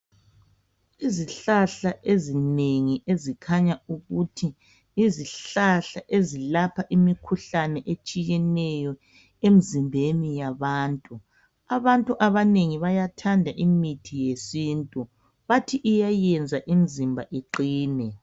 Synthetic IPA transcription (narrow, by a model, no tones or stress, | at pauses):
iziɬaɬaʔezineŋiʔezikʰaɲauɣutʰiː | ziɬaɬaʔezilapʰaʔimikʰuɬanɛʔet͡ʃʼijɛnɛjɔ | em̩zimbʱenijaβaːntʼu | aβantʼuʔaβaneŋiβajatʰandʱaʔimitʰijesintʼu | βatʰiʔːjajɛnd͡zʱaʔimizimbʱaʔeǃiːnɛ